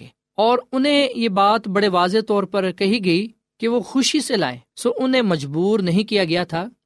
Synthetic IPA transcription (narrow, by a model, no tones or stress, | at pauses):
ɔːɾʊnɦẽjeːbaːt̪bɐɽeʋaːzet̪ɔːɾpɐɾkɐɦiɡɐi | keʋoxʊʃisela̰ːḛːsoːʔʊnẽmɐd͡ʒbuːɾnɐɦĩkijaɡɐjat̪ʰaː